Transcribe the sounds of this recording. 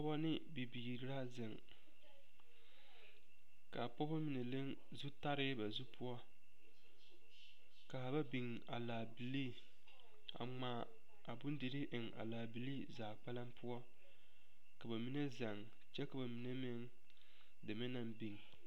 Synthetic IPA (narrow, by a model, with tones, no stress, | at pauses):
pɔ˦bɔ˦nɪ˦ | bi˨bi˨ɾɾa˦zɪ˨ŋ | ka˨pɔ˦bɔ˦mi˨ne˨le˦ŋ | zu˦ta˦ɾɪ˦ba˨zu˦pʰʊ˦ɔ˦ | ka˨ba˦bi˨ŋ | a˨laː˨bi˨liː˦˨ | a̰˨ŋ͡maː˨˦ | a˨bʊ˦n˦di˨ɾɪ˦ʔɪ˨ŋa̰˨laː˨bi˨liː˦zaː˨k͡pa˦la˦mpʰʊ˦ɔ˦ | ka˨ba˨mi˦ne˦za˨ŋ | t͡ʃɛ˦ka˨ba˨mi˨ne˦mɪ˦ŋ | dɪ˨mɪ˦na˨mbi˨ŋ